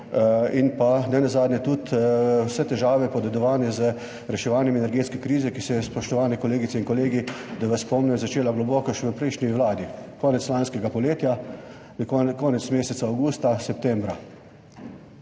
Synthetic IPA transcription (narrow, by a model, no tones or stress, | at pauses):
inpanɛnazaːd̪nʲɛt̪ut̪wsɛt̪ɛʒaːʋɛpɔd̪ɛd̪ɔʋaːnɛzə | ɾɛʃɛʋaːnjɛmɛnɛɾɡeːt̪skɛkɾiːzɛkisɛjɛspɔʃt̪ɔʋaːnɛkɔleːɡit̪sɛinkɔleːɡid̪aʋaspɔmnɛjɔzat͡ʃeːlaɡlɔbɔːkɔʃɛʋəpɾɛɪʃniwlaːd̪ikɔːnɛt̪slanskɛɡapɔleːt̪ja | kɔːnɛtsmeːsɛt̪saːwɡuːst̪asɛp̚t̪ɛmbɾa